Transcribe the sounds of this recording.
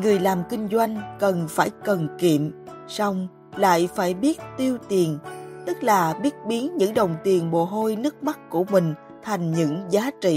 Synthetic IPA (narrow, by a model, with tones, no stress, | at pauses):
ŋɨ˨˩əjlaː˨˩mkï˧ŋ̟zwa˧jŋ̟kə˨˩nfaː˧˩jkə˨˩nkḭ˧˨əm | sa˧wŋ͡m | la̰ː˧˨jfaː˧˩jɓi˦˥ət̚t̪i˧əwt̪i˨˩ənt̪ɨ˦˥k̚laː˨˩ɓi˦˥ət̚ɓi˨˦ənɲɨ̰˧˥ŋɗə˨˩wŋ͡mt̪i˨˩ənɓo̰˧˨˩ɦo˧jnɨ˦˥ək̚ma˦˥t̚ku˧˩əmï˨˩ŋ̟ | t̪ʰa˨˩jŋ̟ɲɨ̰˧˥ŋzaː˨˦t͡ɕḭ˧˨